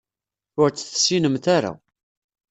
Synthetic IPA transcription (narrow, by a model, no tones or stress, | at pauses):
ʊɾt͡sːθsːinəmθaɾa̰